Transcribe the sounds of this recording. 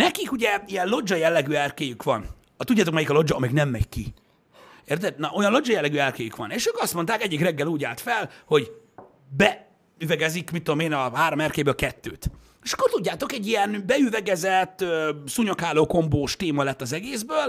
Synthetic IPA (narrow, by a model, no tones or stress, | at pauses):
nɛkikuɟɛijɛnlo̞d͡ʒɒjɛlːɛɡyːɛrkeːjykʋɒn | ɒt̪udɟːaːt̪okmɛjikɒlo̞d͡ʒɒːmiːɡnɛmːɛckːḭ | eːrt̪ɛd̪nɒʔojɒnlo̞d͡ʒɒjɛlːɛɡyɛrkeːjykʋɒ̰neːʃøːkɒst̪mo̞nt̪aːkɛɟːikrɛɡːɛluːɟaːlt̪fɛlho̞ɟ | bɛ | yvɛɡɛzikmit̪ːod̪omeːnɒɦaːɾo̞mɛrkeːbøːlkɛt̪ːø̰ːt̪ | eːʃɒ̥kːort̪uɟːaːt̪o̞kɛɟːijɛnbɛyvɛɡɛzɛt̪ːøsuɲokaːloːko̞mboːʃt̪eːmɒlɛt̪ːɒzɛɡeːzbøːl